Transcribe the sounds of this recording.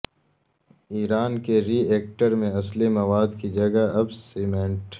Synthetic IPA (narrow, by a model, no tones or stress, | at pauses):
iːɾaːnkeɾiːeːk̚ʈəɾmẽɐslimɐwaːd̪kid͡ʒɐɡaɐbsimẽɳʈ